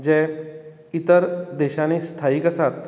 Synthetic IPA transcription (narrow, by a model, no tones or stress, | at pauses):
d͡ʑɛ | it̪əɾd̪eɕanest̪ʰaiːkəsat̪